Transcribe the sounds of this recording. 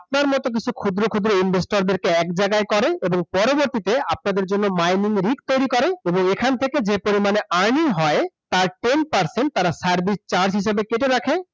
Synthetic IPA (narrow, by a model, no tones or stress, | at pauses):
ap̚naɾmɔt̪ok̬it͡ɕʰukʰud̪ɾokʰud̪ɾoinbʱesʈoɾd̪eɾkeɛkd͡ʑaɡaekɔɾeeboŋpɔɾoboɾt̪it̪eap̚nad̪eɾd͡ʑonːomajniŋɾik̚t̪ojɾikɔɾeeboŋekʰant̪ʰeked͡ʑepoɾimaneaɾniɦɔet̪aɾʈenpaɾseɳʈ̚t̪aɾasaɾbʱist͡ɕaɾsɦiʃ̬abekeʈ̬eɾakʰe